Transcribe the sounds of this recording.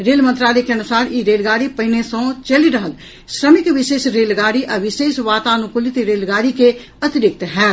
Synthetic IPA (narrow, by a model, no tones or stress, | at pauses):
ɾeːlmə̃nt̪ɾaːleːkeənʊsaːɾiɾeːlɡaːɾiːpəɪnesõːt͡ʃəliɾəɦəl | sɾəmɪkʋɪʃeːsɾeːlɡaːɾiːʔɐʋɪʃeːsʋaːt̪ãːnũkʊlit̪iɾeːlɡaːɾiːke | ət̪ɪɾɪk̚t̪ɦɛː